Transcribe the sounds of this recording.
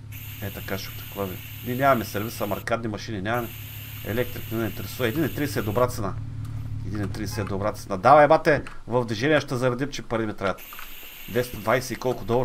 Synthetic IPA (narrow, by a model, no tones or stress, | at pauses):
ɛt̪ɐkat͡ʃɛt̪ɐ̥kvavḭ | niɛnʲamɐmɛsɛɾvit̪sɐmɐɾkat̪nimɐʃininʲamɐmɛ | ɛ̰lɛk̚t̪ɾikninɛint̪ɛɾɛsuvɐɛd̪inɛt̪ɾiɛsɛd̪obɾat̪sɛnaɛd̪inɛt̪ːɾiɛsɛd̪obɾat̪sɛnad̪avɐɛmat̪ɛvɐvd̪viʒɛniəʃt̪ɛzɐɾɐd̪imt͡ʃɛpɐɾimɛt̪ɾajɐt̪ | d̪vɛsd̪vajsɛikɔlˠkʊd̪ɔvˠɾ